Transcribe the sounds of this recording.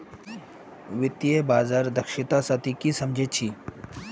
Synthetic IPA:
ʋɪt̪jebaːzaːɾd̪ɐkʃɪt̪asət̪ikisɐmd͡ʒʱet͡ʃʰiː

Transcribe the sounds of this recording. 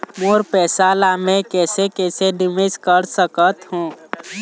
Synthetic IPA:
moːɾpɛːsalamẽkɛːsekɛːsenɪmezkəɾsəkət̪ɦũː

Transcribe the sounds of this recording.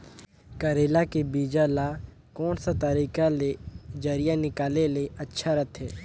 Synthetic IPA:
kəɾeːlakebiːd͡ʒala | kɔːnsat̪əɾiːkaled͡ʒəɾɪjanɪkaːleleʔətːʃʰaɾət̪ʰɦɛː

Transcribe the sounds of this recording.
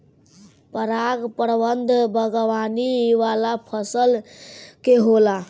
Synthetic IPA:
pəɾaɡpəɾbənd̪ʱbʱəɡʋaniʋalapʰəsəlkeɦola

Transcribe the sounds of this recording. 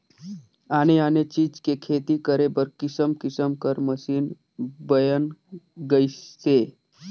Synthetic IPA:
añeanet͡ʃiːd͡ʒkekʰet̪ikəɾebəɾkisəmkisəmkəɾməsiːn | bəjənɡəjse

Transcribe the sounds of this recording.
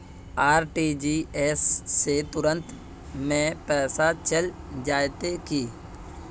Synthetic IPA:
aːɾʈiːd͡ʒieːsːet̪ʊɾə̃nt̪ | mẽpɛːsat͡ʃəl | d͡ʒaːjt̪ekiː

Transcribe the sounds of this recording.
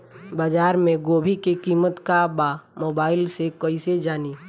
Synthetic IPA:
baːd͡ʒaːɾmẽɡoːbʱikekiːmət̪kabamoːbaːɪlsekəised͡ʒaːni

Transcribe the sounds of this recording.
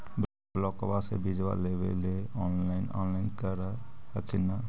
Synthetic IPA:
b | lɔkbasḛbid͡ʒʋa̰lebḛleɔnlaɪnɔ̰nlaɪnkəɾəhəkʰina

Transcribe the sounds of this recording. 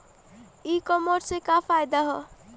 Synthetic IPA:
ikɔmɔɾsekapʰajd̪aɦɔ

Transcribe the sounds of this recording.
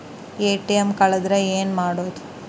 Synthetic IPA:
eːʈijemkɐɭɐd̪ɾɐeːnmaːɽoːd̪u

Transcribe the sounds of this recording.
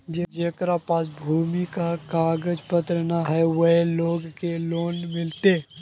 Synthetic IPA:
d͡ʒed͡ʒeːkɾapaːsbʱuːmikakaːɡəd͡ʒpət̪ɾənaɦɛwɐɦloːɡkeloːnmɪlt̪e

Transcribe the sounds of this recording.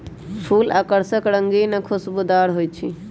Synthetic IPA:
pʰuːlaːkəɾsəkɾəŋɡinəkʰosbud̪aɾɦojt͡ʃʰḭ

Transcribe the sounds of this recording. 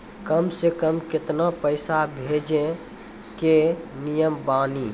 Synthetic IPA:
kəmsekəmket̪napəɪsabʱed͡ʒẽ | kenijəmbani

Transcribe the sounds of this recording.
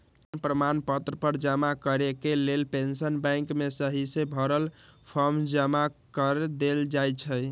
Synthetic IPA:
pɾəmanpət̪ɾəpəɾd͡ʒəmakəɾekelelpensənbɛ̃ŋkmesəɦisebʱəɾəlpʰəɾmd͡ʒəmakəɾd̪eld͡ʒajt͡ʃʰə

